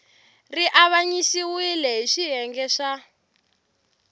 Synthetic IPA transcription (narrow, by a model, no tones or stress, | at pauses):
riʔaβaɲisiwilɛɦiʃiɦɛŋɡɛʂa